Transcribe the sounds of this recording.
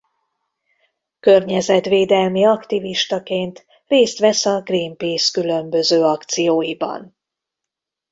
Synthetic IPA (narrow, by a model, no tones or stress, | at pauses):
kørɲɛzɛt̪ʋeːd̪ɛlmiɒkt̪iviʃt̪ɒkeːnt̪ | reːst̪ʋɛsɒɡriːmpiːskylø̞mbø̞zøːɒkt̪sijoːjibɒ̰n